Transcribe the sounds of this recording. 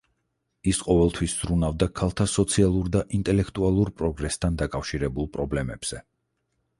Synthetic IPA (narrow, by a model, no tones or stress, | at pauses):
isqʼɔvɛlˠt̪ʰwisz̥ɾunavd̪akʰalˠt̪ʰasɔt̪sʰialˠuɾd̪aʔint̪ʼɛlɛkʰt̪ʼualˠuɾpʼɾɔɡɾɛst̪ʰand̪akʼafʃiɾɛbulˠpʼɾɔblɛmɛb̥z̥ɛ